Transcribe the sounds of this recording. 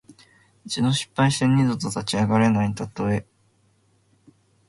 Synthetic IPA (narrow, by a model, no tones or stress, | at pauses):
it͡ɕid̪o̞ɕi̥pːaiɕt̪eɲ̟ːid̪ot̪ot̪at͡ɕiaɡaɾe̞nait̪at̪ːoe